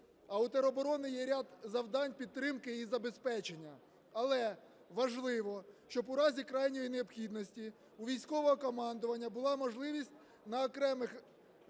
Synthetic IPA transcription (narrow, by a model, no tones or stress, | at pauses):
ɐwt̪ɐɾɔbɔɾɔnɪjɛɾʲad̪zɐwd̪ɑnʲpʲid̪̚t̪ːɾɪmkɪizɐbe̞spɛt͡ʃenʲːɐ | ɐlˠɛ | ʋɐʒlˠɪʋɔʃt͡ʃɔbʊɾɑzʲikɾɑjnʲɔjineɔpxʲid̪nɔsʲtʲi | uʋʲijsʲkɔʋɔɦɔkɔmɑnd̪ɔʋɐnʲːɐbʊlˠɑmɔʒlˠɪʋʲisʲtʲ | nɐɔkɾɛmɪx